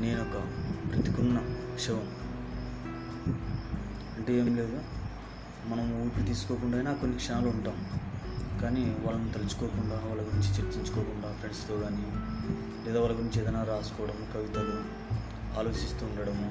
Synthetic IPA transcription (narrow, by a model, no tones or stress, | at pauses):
ne̞ːnɔkɐpɾɐt̪ikunːɐ | ʂɐʋɐm | ɐɳʈeːeːmle̞ːd̪u | mɐnɐmuːjpuɽt̪̬iːsu̥koːkuɳɖaːjnaːko̞nːikʂɐnaːluuɳʈaːmu | kaːniʋaːlːɐnut̪ɐlit͡ʃu̥koːkuɳɖaːʋaːlːɐɡuɾiɲt͡ʃit͡ʃeɾt͡ʃiɲt͡ʃu̥kɔːkuɳɖaːpɾeɳɖst̪oːɡaːni | lɛːd̪aːʋaːlːɐɡuɾiɲt͡ʃɛd̪ɐnaːɾaːsu̥kɔːʋɐɽɐmkɐʋit̪ɐlu | aːlo̞ːʃist̪uːɳɖɐɽɐmu